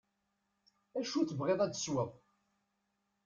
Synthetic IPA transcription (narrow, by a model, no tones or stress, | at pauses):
æʃut͡sːəvʁeðˤæt͡sːə̥swəðˤ